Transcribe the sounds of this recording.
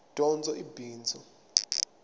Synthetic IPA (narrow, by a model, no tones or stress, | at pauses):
d̥ʼʱɔnd͡zʱɔʔibiːnd͡zʱɔ